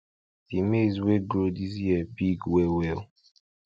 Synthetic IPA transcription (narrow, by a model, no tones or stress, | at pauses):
dimezweɡɾodis̬jiɛbiɡwewɛl